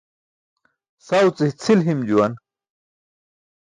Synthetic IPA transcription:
sawt͡siht͡sʰilɦimd͡ʑuwɐn

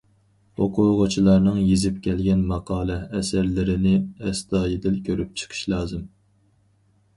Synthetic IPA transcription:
oqʰʊwʁʊt͡ʃʰilˠɑɾnɨŋjezɪp̚kʲɛlɡʲɛnmɑqʰɑːlˠɛɛsæɾlɪɾɪnɪɛst̪ɑːjid̪ɪlkʲʰøɾyp̚t͡ʃʰə̥qʰə̥ʃlˠɑːzɨm

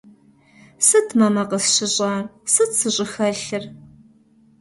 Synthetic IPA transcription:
sɨtʰmɐmɐqəsɕɪɕʼaːrsɨtsɨɕʼɪxɐɬɨr

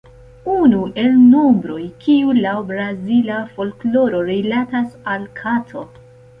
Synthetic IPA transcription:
unue̞lno̞mbɾo̞jkiulabɾazilafo̞lklo̞ɾo̞ɾilatasalkʰatʰo

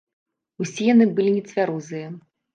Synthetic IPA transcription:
usʲijanɨbɨlʲinʲɛt͡s̪ʲvʲaɾuzɨjɐ

